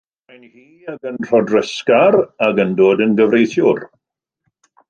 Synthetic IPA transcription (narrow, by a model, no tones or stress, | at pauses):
ajnhiːaɡənr̥ɔdrəskaɾaɡəndoːdənɡəvrejθjʊr